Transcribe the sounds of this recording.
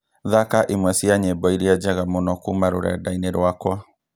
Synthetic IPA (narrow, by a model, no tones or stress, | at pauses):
ðakaʔimwɛsiaɲebɔiɾiad͡ʒaɣamonɔkumaɾo̰ɾɛ̰daineɾwakwa